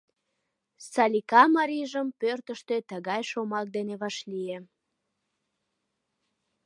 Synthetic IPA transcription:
sɑlʲikɑmɑɾiʒəmpørt̪əʃt̪et̪əɣɑjʃomɑk̚d̪eneβɑʃlie

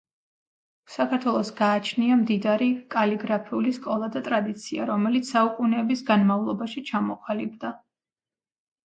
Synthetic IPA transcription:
sakʰaɾt̪ʰwɛlˠɔsɡaːt͡ʃʰniamd̪id̪aɾikʼaliɡɾapʰiuliskʼɔlˠad̪at̪ʼɾad̪it̪sʰia̰ɾɔmɛlit̪ssaukʼunɛːbisɡanmavlˠɔbaʃit͡ʃʰamɔqʼalibd̪a

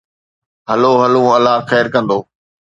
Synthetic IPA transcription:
ɦɐloːɦɐlũːɐlːaːxɛːɾkɐ̃nd̪oː

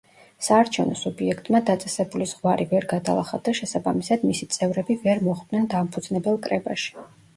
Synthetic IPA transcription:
saːɾt͡ʃʰɛvnɔsubiɛkʰt̪ʼmad̪at̪sʼɛsɛbulizʁwaɾivɛɾɡad̪alˠa̰χad̪aʃɛsabamisad̪misit̪sʼɛvɾɛbivɛɾmɔʁd̪nɛnd̪ampʰud̪znɛbɛlˠkʼɾɛbaʃi̥

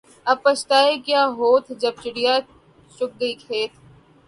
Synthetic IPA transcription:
ɐb̚pɐt͡ʃt̪aːekjaːɦoːt̪ʰd͡ʒɐb̚t͡ʃɪɽijaː | t͡ʃʊk̚ɡɐikʰeːt̪̚ʰ

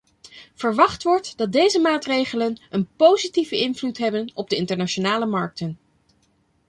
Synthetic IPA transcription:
v̥əɹʋɑχtʋɔɹtd̥ɑt̚dejzəmaːtrejχələnənpowzitivəɪnvlutɦɛbənɔb̚dəɪntəɹnat͡ʃonaːləmɑɹk̚tən

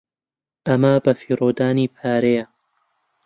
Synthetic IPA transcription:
ʔɐmɐbɐfiːɾoːd̪aːniːpʰaːɾejɐ

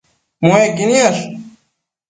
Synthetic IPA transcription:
moeɡinijɐɬ

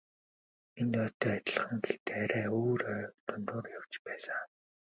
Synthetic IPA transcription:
ent̪œːt̪œːat̪ʲɪ̆ɮχə̆ŋɡeɬt̪ʰeːaɾæːoːɾœːt̪ʰʊnt̪ʊːrjawt͡ɕpæːsə̆

